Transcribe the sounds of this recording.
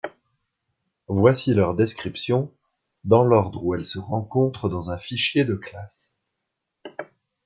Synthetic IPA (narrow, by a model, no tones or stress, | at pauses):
vwasilœʁd̪ɛskχipsjɔ̃ | d̪ɑ̃lɔʁd̪ʁuɛlsəʁɑ̃kɔ̃t̪χəd̪ɑ̃zɛ̃fiʃjed̪əklas